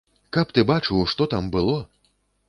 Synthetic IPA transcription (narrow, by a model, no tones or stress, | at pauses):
kapt̪ɨbat͡ʂɨwʂt̪ɔt̪ambɨlˠɔ